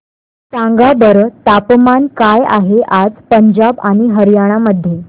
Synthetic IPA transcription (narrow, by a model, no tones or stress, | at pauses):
t͡sãŋɡabəɾt̪apmankaja̰ɦeʔad͡zpəɲd͡ʑabaɽ̃iɦəɾjaɽ̃aməd̪ʱːje